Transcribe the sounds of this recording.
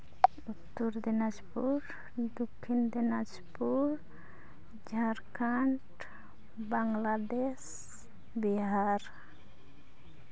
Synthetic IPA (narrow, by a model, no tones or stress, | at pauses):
ut̪ːuɾd̪ɛnad͡ʒpuɾ | d̪ukʰːind̪ɛnad͡ʒ | puɾ | d͡ʒʱaɾkʰaɳʈ | baŋlad̪es | biɦaɾ